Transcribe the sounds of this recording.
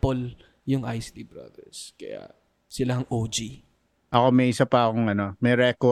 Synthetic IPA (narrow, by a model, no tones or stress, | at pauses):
pol | jʊŋʔajsd̪ibɾa̰d̪ɛ̰ɹskɐ̰ja̰ | sɪlahɐŋʔoːd͡ʒi | ʔɐkomɛʔisɐpɐɐkoŋɐno̞mɛɾɛko